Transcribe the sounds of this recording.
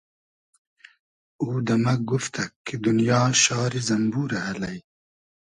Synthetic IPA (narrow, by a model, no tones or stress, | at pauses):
uːd̪ɐmɐɡuft̪ʰɐkʰːid̪unjɑːʃɑːɾizɐmbuːɾɐhɐlɐj